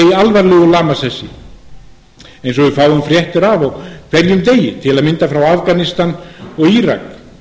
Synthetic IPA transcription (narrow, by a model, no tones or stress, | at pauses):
alvaɾlɛɣʏlaːmasɛsɪ | ejns̬ɔɣvɪfaːwʏmfɾjɛht̪ʏɾavɔɣkʰv̥ɛɾjʏmt̪eːjɪt̪ʰɪlaðmɪnt̪afɾawafkanɪst̪anɔɣiɾa̰k